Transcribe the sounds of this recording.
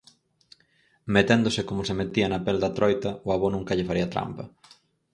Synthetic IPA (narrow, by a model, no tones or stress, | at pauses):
met̪end̪ʊsɪkomʊsemet̪iɐnɐpeld̪ɐt̪ɾɔjt̪ɐʊaβonũŋkɐʎɪfaɾiɐat̪ɾa̰mpɐ̰